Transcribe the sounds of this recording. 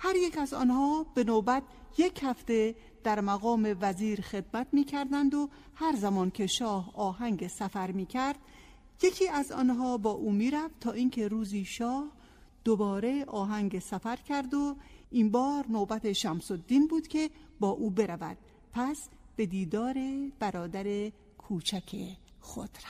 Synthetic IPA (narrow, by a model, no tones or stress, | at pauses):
hæɾjecæzɒ̰ːnhɒːb̥e̞nobæt̪̚ʰ | je̞chæft̪e̞ | d̪̥æɾmæɣɒːme̞væziːɾxe̞d̪̚mæt̪miːcʰæɾd̪ænd̪o̞ | hæɾzæmɒːnkʰe̞ʃɒːhɒːɦæŋɡesæfæɾmiːcʰæɾd̪̥̚ | je̞cʰiːæzɒ̰ːnɦɒːbɒːʔuːmiːɾæft̪ʰɒːʔiːncʰe̞ɾuːziːʃɒːh | d̪̥obɒːɾe̞ʔɒːɦæŋɡesæfæɾcʲʰæɾd̪o̞imbɒːɾnobæt̪ʰe̞ʃæmsod̪ːiːnbuːd̪̥kʰe̞bɒːʔuːbe̞ɾævæ̰d̪̥̚ | pʰæs | b̥e̞d̪iːd̪ɒːɾe̞b̥æɾɒːd̪æɾe̞ | kʰuːt͡ʃʰækʰḛ | xo̰d̪̥ɾ